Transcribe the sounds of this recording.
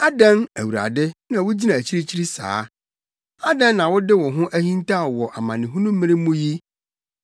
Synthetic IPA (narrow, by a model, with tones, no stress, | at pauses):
a˦dã˦næ˨wu˨ɾa̰˨dɪ˦nã˨wʊ˦d͡ʑi˦nã˨æ˨t͡ɕʰi˦ɾi˦t͡ɕʰi˦ɾi˦sa̰ː˨˦ | a˦dã˦nːã˨wʊ˦dɪ˦wɔ̃˨ɦʊ̃˦ʔæ˦hĩ˦nta˦˨wɔ˨ʔa˨mã˨nɪ̃˨ɦʊ̃˦nũ˦m˦mɪ̃˦ɾɪ̃˦mũ˦ji˦